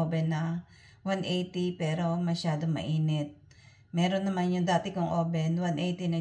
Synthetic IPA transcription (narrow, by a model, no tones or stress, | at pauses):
obɛnːɐ | wanʔejt̪ipɛːɾo̞mɐʃaːd̪omɐ̰ʔiːnɛt̪̚ | mɛːɾonːɐmanjʊŋd̪aːt̪ɪkʊŋʔoːbɛnwanʔejt̪inɐ